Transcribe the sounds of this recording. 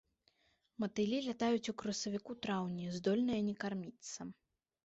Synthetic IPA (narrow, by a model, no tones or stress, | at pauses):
mɐt̪ɨlʲilʲat̪ajut͡sʲukɾɐsɐvʲikut̪ɾawnʲizd̪ɔlʲnɨjɐnʲɛkarmʲit̪sːɐ